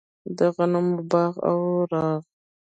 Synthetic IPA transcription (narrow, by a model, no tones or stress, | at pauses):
d̪əɣanumbɑːɣa̰wɾɑːɣ